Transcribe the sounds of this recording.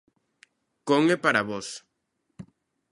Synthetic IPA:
koŋepaɾaβos

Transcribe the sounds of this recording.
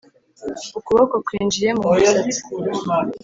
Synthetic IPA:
ukuβokokwiːnd͡ʒiɾe̞mu̥

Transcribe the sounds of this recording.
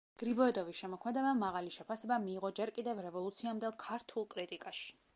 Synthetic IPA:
ɡ̥ɾibɔɛd̪ɔvisʃɛmɔkʰmɛd̪ɛbamaʁaliʃɛpʰasɛbamiːʁɔd͡ʒɛɾkʼid̪ɛvɾɛvɔlˠut̪sʰiamd̪ɛlˠkʰaɾt̪ʰulˠkʼɾit̪ʼikʼaʃi̥

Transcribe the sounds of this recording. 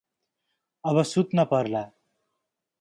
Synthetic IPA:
ʌbʌsut̪nʌpʌɾla

